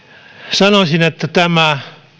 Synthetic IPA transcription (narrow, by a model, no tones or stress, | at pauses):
sɑnosʲinet̪ːæt̪æmæ